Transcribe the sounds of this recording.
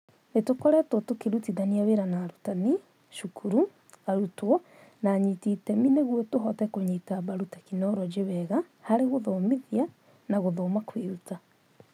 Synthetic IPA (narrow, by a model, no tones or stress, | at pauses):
netokɔɾɛtotokeɾutiðaniaweɾanaɾutani | ʃukʰuɾu | aɾutwɔ | naɲititɛmineɣwɔtoɦɔtɛkoɲitaβaɾutakinɔɾɔd͡ʒeβɛɣa | haɾeɣoðomiðia | naɣoðomakweɾuta